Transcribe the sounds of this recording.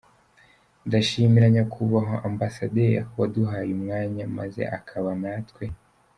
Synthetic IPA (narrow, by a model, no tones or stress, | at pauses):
ndaʃimiɾaɲakʰuβaɦoʔambasadeɾwaduɦajumŋaːɲama̰ze̞̰ʔa̰kʰaβanaːtkwe̞